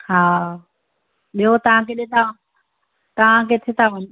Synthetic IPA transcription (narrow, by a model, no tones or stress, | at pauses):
haː | ɓiɦot̪ɐʋ̤ãkʰeɗet̪ʰa | t̪ɐʋ̤ãkʰet̪ʰet̪aʋɐɲ